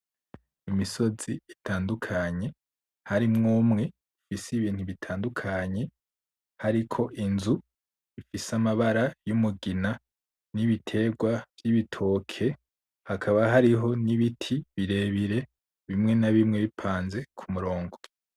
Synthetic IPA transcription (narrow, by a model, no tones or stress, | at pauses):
imiso̞ziitʰaːndukʰaɲe̞ | haɾimŋuːmŋe̞ | ifisiβiːn̥huβitʰaːndukʰaɲe̞ | haɾikʰo̞ʔinzu | ifisamaβaɾajumuɡina | niβitʰe̞ɡwavjiβitʰo̞kʰe̞ | hakʰaβaɦaɾiɦo̞niβitʰiβiɾe̞βiɾe̞ | βimŋe̞naβimŋe̞βipʰaːnze̞kʰumuɾo̞ːŋɡo